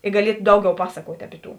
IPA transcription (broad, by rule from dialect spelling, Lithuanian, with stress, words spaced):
ɪ ɡɐˈlʲiɛt ˈdɐʊˌɡʲɛʊ ˈpɑːsɐkuɔtʲ ˈɑːpʲɪ ˌtuː